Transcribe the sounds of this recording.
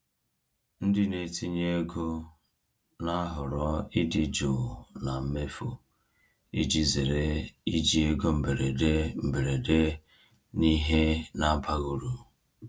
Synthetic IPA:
n̩˦dɪ˦ne˨ti˦ɲe˦e˦ɡo˦ | na˦ɦʊ˨ɾɔ˦ɪ˦dɪ˦d͡ʒo˨na˨m̩˦me˦fo˨ | i˦d͡ʒi˦ze˨ɾe˦i˦d͡ʒi˦e˦ɡo˦m̩˨be˨ɾe˨de˦m̩˨be˨ɾe˨de˦ | ni˦ɦe˦na˦ba˦ɣu˨ɾu˨

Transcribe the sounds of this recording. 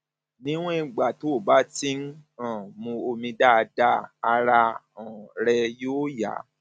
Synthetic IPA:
nĩ˦w̃ũ˦ĩ˨˧˨ɡ͡ba˨to˨˦˨ba˨˦tĩ˦n̩˦ã˦˨mũ˧o˧mĩ˧da˦˧da˦a˧ɾa˧ | ã˨ɾɛ˧joː˦ja̰˨˦

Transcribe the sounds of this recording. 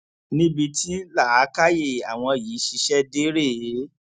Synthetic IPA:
nĩ˦bi˧ti˦la˦˨a˨˦ka˦je˦˨a˨w̃ɔ̃˧˨jiː˨˦ʃi˧˦ʃɛ˦de˦ɾe˦˨˦

